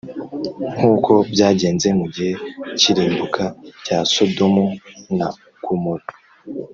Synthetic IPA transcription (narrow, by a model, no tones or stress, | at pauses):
ŋ̥uːkʰo̞bjaːɟe̞ːnze̞muɟihe̞ciɾiːmbukʰacasodo̞muna | kumoto̥